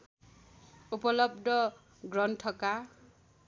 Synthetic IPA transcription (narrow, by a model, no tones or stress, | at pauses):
upʌlʌb̚d̪ʱʌ | ɡrʌnʈʰʌka